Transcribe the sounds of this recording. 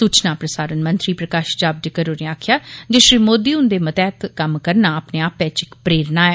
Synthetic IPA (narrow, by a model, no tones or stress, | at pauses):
suːt͡ʃnãːpɾəsaːɾənmənt̪ɾiːpɾəkaːʃd͡ʒaːb̚ɖɪkəɾoːneːaːkʰjaːd͡ʒeʃɾiːmoːd̪iːʊnd̪eːmət̪ɛːt̪kəmkəɾnaːəpneːaːpɛːt͡ʃɪkpɾeːɾnaːɛː